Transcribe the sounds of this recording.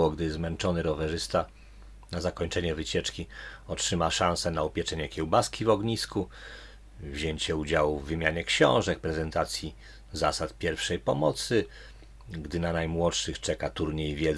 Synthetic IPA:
ɔɡd̪ɘzmɛnt͡ʂɔnɘɾɔvɛʐɘst̪a | nazakɔɲt͡ʂɛɲɛvɘt͡ɕɛt͡ʂkʲiɔtʂɘmaʂãñsɛnaupʲjɛt͡ʂɛɲɛkʲjɛwbaskʲʰivɔɡɲisku | vʑeɲt͡ɕɛud͡ʑawuvːɘmʲjaɲɛkɕɔ̰̃w̃ʐɛk̚pɾɛzɛnt̪at̪sʲji | zasat̪pʲjɛɾfʂɛjpɔmɔt̪sɘ | ɡd̪ɘnanajmwɔtʂɘxt͡ʂɛkat̪uɾɲejvʲjɛ

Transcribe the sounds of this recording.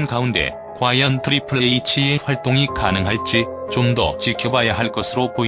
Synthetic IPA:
nkaunde̞̰ | kwajʌntʰɯɾipʰɯɭeit͡ɕʰieɸwaɭt͈oŋikanɯŋɦaɭt͡ɕ͈i | t͡ɕomdʌt͡ɕikʰjʌbajaɦaɭk͈ʌsʰɯɾopoi

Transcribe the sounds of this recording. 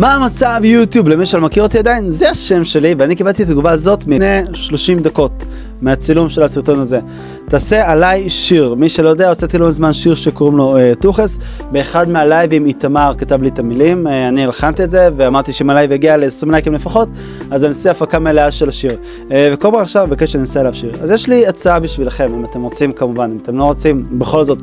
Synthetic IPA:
maːmat͡savjut̪jublemiʃelomakiʁot̪iad̪ainzeaʃe̞mʃe̞liveanikibant̪it̪ːatɡuvaːzo̞t̪meneʃlo̞ʃimd̪ako̞t | meat͡silumʃe̞lasiʁt̪o̞naze̞ | taːsealajʃiʁmiʃelojo̞d̪eaoset̪ilozmanʃiʁʃekoʁimlo̞et̪uχes | beːχadmealajvimit̪amaʁkatavlit̪amilimanielχant̪ietze̞veamaʁt̪iʃeimalajveɡialesimnajkimle̞faχo̞t̚ | azaniasiafakameleaʃelaʃiʁ | vekolbanaχʃavbekaʃaninasealavʃiʁa̰zjeʃliat͡saabiʃvilaχe̞mimate̞mʁot͡simkamuvanimat̪e̞mlo̞ʁot͡simbe̞χo̞lzo̞t

